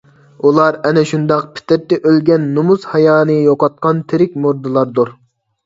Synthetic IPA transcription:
ulˠɑɾɛnɛʃund̪ɑq̚pʰɪ̥t̪ɪɾt̪ːɛʔølɡʲɛnːumuzhɑjɑːnɨjoqɑt̪̚qʰɑnt̪ʰɪɾɪkʲmuɾd̪ɨlˠɑɾd̪uɾ

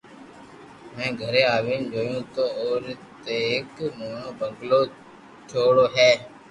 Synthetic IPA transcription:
mɛ̃ːɡʱəɾeːaːʋĩːd͡ʒoːjũːt̪oːoːɾt̪eːɦɪkmoːɳõːbʱəɡloː | t͡ʃʰoːɽoːɦɛː

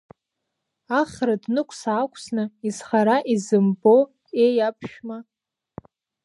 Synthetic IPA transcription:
aχradnɨkʷʰʼsaːkʷʰʼsnɨizχaɾaʔizɨmbo | ejapʰʃᶣma

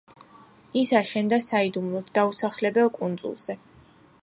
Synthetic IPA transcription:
isaʃɛnd̪asaid̪umlˠɔt̪d̪̥ausaχlɛbɛlˠkʼund̪zṵlˠz̥ɛ

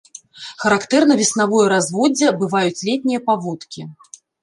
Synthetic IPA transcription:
xɐɾakt̪ɛrnɐvʲisnavɔjɛɾazvɔd͡zʲːɛbɨvajut͡sʲlʲɛt̪ʲnʲijɐpavɔt̪kʲi

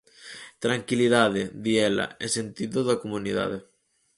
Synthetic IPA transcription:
t̪ɾaŋkiliðaðeðiɛla̰esent̪iðoðakomuniða̰ðe

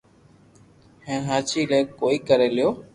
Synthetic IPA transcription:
hẽːnɦaːt͡ʃʰiːleːkoːiːkəɾeːlɪjoː

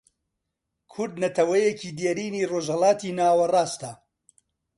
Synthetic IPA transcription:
kʰʊɾd̪nɐt̪ɐwɐjeciːd̪jeɾiːniːroːʒhɐlaːt̪iːnaːwɐraːst̪ɐ

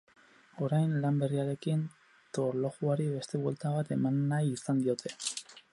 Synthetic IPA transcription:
o̞ɾajnlambe̞riaɾe̞kin | t̪o̞ɾlo̞ɣuaɾiβe̞st̪e̞βwe̞lt̪aβ̞at̪e̞manːajːsand̪io̞t̪ʰe̞̥

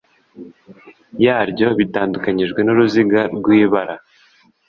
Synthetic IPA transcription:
jaːɾɟo̞βitaːndukaɲiʒɡwe̞nuɾuziɡaɾɡwiːβaɾa

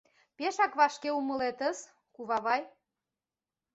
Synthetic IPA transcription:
peʃɑkβɑʃkeumə̆let̪əs | kuβɑβɑj

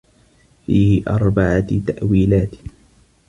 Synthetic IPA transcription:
fiːhɪʔɑɾˤbaʕat̪aʔwiːlaːt̪

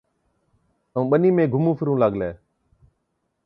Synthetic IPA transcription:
əũːɓəniːmẽːɡʱʊmũːpʰɪɾũːlaːɡlɛː

